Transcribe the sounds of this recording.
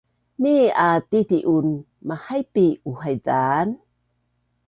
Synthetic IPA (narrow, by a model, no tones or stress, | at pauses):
miatitiʔun | mahajpiuɦajdan